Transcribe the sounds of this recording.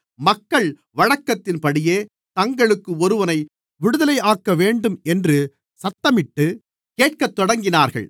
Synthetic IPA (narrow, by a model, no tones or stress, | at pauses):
mɐkːɐɭ | ʋɐɻɐkːɐt̪ːɪnpɐɽɪjeː | t̪ɐŋɡɐɭɯkːɯɔɾɯʋɐnɐɪ | ʋɪɽɯðɐlɐɪaːkːɐʋeːɳɖɯmɛndrɯ | sɐt̪ːɐmɪʈːɯ | keːʈkɐt̪ːɔɽɐŋɡɪnaːɾɣɐ̰ɭ